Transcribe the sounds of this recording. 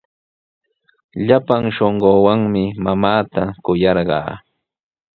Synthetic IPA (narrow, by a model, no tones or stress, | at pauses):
ʎapaŋʃoɴɢoːwaŋmɪmamaːt̪akʊjɑɾɢɑ̰ː